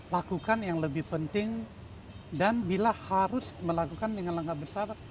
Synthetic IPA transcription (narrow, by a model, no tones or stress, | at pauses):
lakukanjaŋləbɪhpənt̪ɪŋ | danbilahaɾʊsməlakukandəŋanləŋɡabəsar